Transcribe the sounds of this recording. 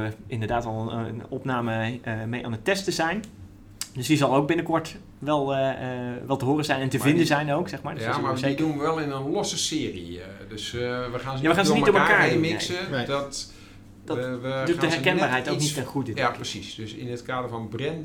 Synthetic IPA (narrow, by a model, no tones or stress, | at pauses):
əɪndəɹdaːtɑlˠənənɔpnaːməmejʔaːnətɛstəzɛjn | døsdizɑlˠowk̚bɪnəkɔɹt | ʋɛlˠ | ʋɛlˠtəɦoːrəzɛjnɛntəvɪndəzɛjnowksɛχmaːɹdmasedunʋəʋɛlˠɪnənlɔsəsɪːrḭdøsʋəxaːnzjaːʋəxaːnzənimtoməkaːɹmɪnesədɔt | d̥ʋədudəɦɛrkɛnbaːrɦɛjtoknitɛnχudəjaprəsisd̥øsɪnətkaːdəɹfɔnbrɛn